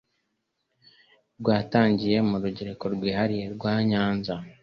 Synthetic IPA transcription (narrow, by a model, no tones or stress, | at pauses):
ɾɡwaːtaːɲɟije̞muɾuɟeɾe̞ko̞ɾɡwiːhaɾije̞ɾɡwaːɲaːnza